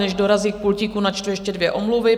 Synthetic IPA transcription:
nɛʒdo̞ɾaziːk̚pulciːkunat͡ʃt̪vɪʃcɛdvjɛʔomluvɪ

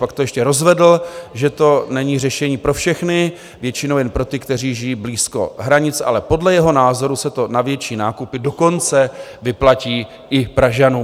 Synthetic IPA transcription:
pakt̪o̞jɛʃcɛɾo̞zvɛdl̩ʒɛt̪o̞nɛɲirɛʃɛɲiːpɾo̞fʃɛxnɪ | vjɛt͡ʃɪnowjɛnpɾo̞t̪ɪkt̪ɛr̝iːʒɪjiːbliːsko̞̰ɦɾaɲɪt͡sa̰lɛpo̞dlɛjɛɦo̞naːzo̞ɾusɛt̪o̞navjɛt͡ʃiːnaːkupɪdo̞ko̞nt͡sɛvɪplaciː | ʔɪpɾaʒanuː

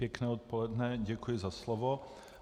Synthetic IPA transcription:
jɛknɛːot̪̚polɛdnɛɟɛkujɪzaslovo

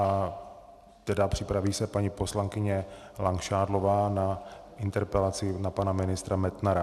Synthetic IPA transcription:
a | t̪ɛdapr̥ɪpɾaviːsɛpaɲipo̞slaŋkɪɲɛ | laŋkʃaːdlo̞vaːnaʔɪnt̪ɛɾpɛlat͡sɪnapanamɪnɪst̪ɾamɛt̪naɾa

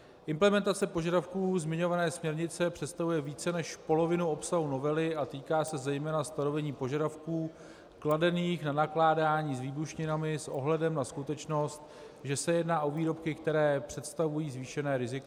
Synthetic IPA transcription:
ʔɪmplɛmɛnt̪at͡sɛpo̞ʒadafkuːzmɪɲo̞vanɛːsmɲɛɾɲɪt͡sɛpr̝̥ɛt̪st̪avujɛviːt͡sɛnɛʃpo̞lo̞vɪnuo̞psaɦuno̞vɛlɪʔat̪iːkaːsɛzɛjmɛːnast̪ano̞vɛɲiːpo̞ʒadafkuː | kladɛniːxnanaklaːdaːɲiːzviːbuʃɲɪnamɪsʔo̞̰ɦlɛdɛmnaskut̪ɛt͡ʃno̞st̪̚ | ʒɛsɛjɛdnaːʔo̞viːɾo̞pkɪkt̪ɛɾɛːpr̝̥ɛt̪st̪avujiːzviːʃɛnɛːɾɪzɪko

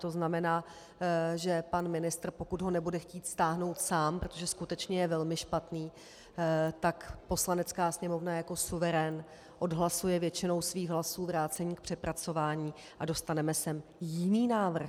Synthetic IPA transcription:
t̪o̞znamɛnaː | ʒɛpanmɪnɪst̪r̩pokud̪ɦo̞nɛbudɛxciːt̪st̪aːɦno̞wt̪saːmpɾot̪oʒɛskut̪ɛt͡ʃɲɛjɛvɛlmɪʃpat̪niː | t̪akpo̞slanɛt͡skaːsɲɛmo̞vnajako̞suvɛɾɛn | ʔo̞dɦlasujɛvjɛt͡ʃɪno̞wsviːɣɦlasuːvɾaːt͡sɛɲiːk̚pr̝̥ɛpɾat͡so̞vaːɲiː | ʔado̞st̪anɛmɛsɛmjɪniːnaːvr̩x

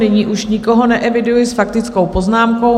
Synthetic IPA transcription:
nɪɲiːʔuʃɲɪkoɦonɛʔɛvɪdujɪsfakt̪ɪt͡sko̞wpo̞znaːmko̞w

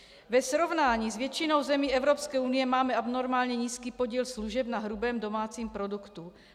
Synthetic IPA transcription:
vɛsɾovnaːɲiːzvjɛt͡ʃɪno̞wzɛmiːɛvɾopskɛːunɪjɛmaːmɛabnoɾmaːlɲɛɲiːskiːpoɟiːlsluʒɛbnaɦɾubɛːmdo̞maːt͡siːmpɾo̞dukt̪u

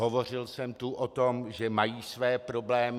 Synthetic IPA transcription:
ɦovo̞r̝ɪlsɛmt̪uʔot̪omʒɛmajiːsvɛːpɾo̞blɛːm

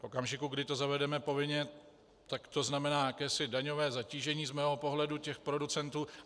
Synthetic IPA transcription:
fʔo̞kamʒɪkuɡdɪt̪o̞zavɛdɛmɛpo̞vɪɲɛ | t̪akt̪o̞znamɛnaːjakɛːsɪdaɲo̞vɛːzaciːʒɛɲiːzmɛːɦopo̞ɦlɛducɛxpɾo̞dut͡sɛnt̪uː

